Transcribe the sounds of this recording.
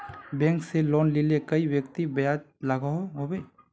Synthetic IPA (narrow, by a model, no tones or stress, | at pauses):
bɛ̃ːŋkseloːnlilekɐiwjək̚t̪ibjaːd͡ʒ | lɐɡaɦoɦobe